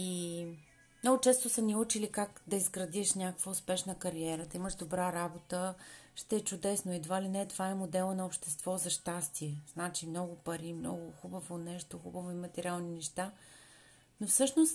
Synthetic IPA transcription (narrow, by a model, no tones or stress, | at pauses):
i | mnɔɡʊt͡ʃɛst̪ʊsɐnʲiut͡ʃilikakd̪ɐizɡɾɐd̪iʃnʲakəkvəʊspɛʃnəkɐɾiɛɾət̪əiməʃd̪obɾaɾabot̪əʃt̪ɛːt͡ʃʊd̪ɛsnoid̪valinɛt̪ovaɛmod̪ɛlˠnɐopʃt̪ɛst̪vɔzɐʃt̪ast̪iɛz̥nat͡ʃimnɔɡʊpɐɾimnɔ̰ɡʊxubəvonɛʃt̪oxubəvoimɐt̪ɛɾialˠninɛʃt̪a | nofsɤʃnost̪